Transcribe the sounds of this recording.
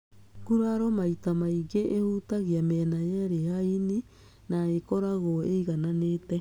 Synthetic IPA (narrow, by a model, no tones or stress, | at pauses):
ɡuɾaɾɔmaitamaiɡeʔehuːtaɣiamɛnajɛɾehaini | naekɔɾaɣoeiɣananeːtɛ